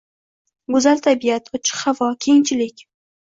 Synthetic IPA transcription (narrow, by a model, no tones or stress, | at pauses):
ɡʊzalt̪ʰabijat̪ʰʊt͡ʃʰɪ̥qhavɒkʲʰejɪŋt͡ʃʰɪlɪkʲ